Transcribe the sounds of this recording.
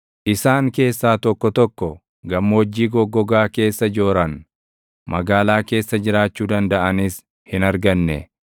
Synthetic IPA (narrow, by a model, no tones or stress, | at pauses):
ʔɪsaːŋke̞ːsːaːt̪ɔkːɔt̪ɔkːɔ | ɡɐmːoːd͡ʒːiːɡɔɡɔɡaːke̞ːsːɐd͡ʒo̞ːɾɐn | mɐɡaːlaːke̞ːsːɐd͡ʒɪɾaːt͡ʃːuːd̪ɐnd̪ɐʔɐniːs | hɪnɐɾɡɐnːɛ